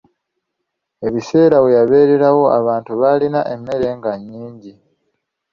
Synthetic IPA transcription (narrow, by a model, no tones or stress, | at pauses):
e̞βise̞ːɾawe̞jaβe̞ːɾe̞ɾawo̞aβaːntuβalinaʔe̞mːe̞ɾe̞ːŋɡaɲːiːɲɟi